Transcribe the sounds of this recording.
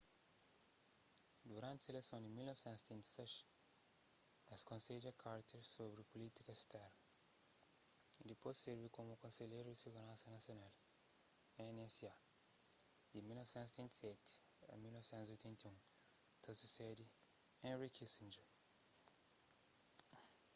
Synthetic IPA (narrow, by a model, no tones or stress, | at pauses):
d̪uɾɐ̃nt̪ɐelesɐ̃w̃d̪ɪmilnɔvsẽnt̪zst̪ẽnt̪i̥sɛʃ | nɐskõsed͡ʒɐkʰaɾt̪ɐsobɾɪpolit̪i̥kɐst̪aɾ | d̪epozseɾvikõmukõseʎejɾʊd̪ɪsuɡ̪ɐlɐ̃sɐnɐsional | enɛsia | imilnɔvisẽnt̪st̪ẽnt̪tsɛt̪ḛ̃milnɔvisẽnt̪uziojt̪ʰẽnt̪iũk̪ɐsusɛd̪ɪẽɾikisĩnd͡ʒe